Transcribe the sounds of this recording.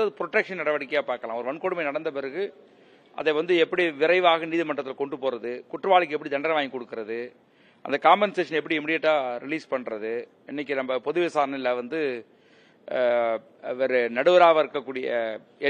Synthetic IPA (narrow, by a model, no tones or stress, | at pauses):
ɐðɯpɾɔʈːɛkʂɐnnɐɽɐʋɐɽɪkːɐjaːpaːɾkɐlãːɔɾɯʋɐnkɔɽɯmɐɪnɐɽɐnd̪ɐpɛɾɯɣɯ | ʔɐ̰ðɛʋɐnd̪ɯɛpːɐɽiʋɪɾɐɪʋaːɣɐniːðɯmɐʈrɐt̪ːɪlkɔɳɖɯpoːɾɐðɯkʊʈːrɯʋaːɭɪk̬ːɛpːɐɽid̪ɐɳɖɾɐʋaːŋkɔɽɯkːɯɾɐðɯ | ʔɐ̰nd̪ɐkaːmbɛnseːʂɐnɛpːɐɽiɛmɪɽɪjɛʈːaːɾɪliːspɐɳːɾɐðɯ | ɪnːɪk̬ːinɐmbɐpɔðɯʋesaːɾɐnɐɪlːɐʋɐnd̪ɯ | ɐʋɐɾɯnɐɽɯʋɐɾaːʋɐɪɾɯkːɐkːuːɽɪjɐ | ɛ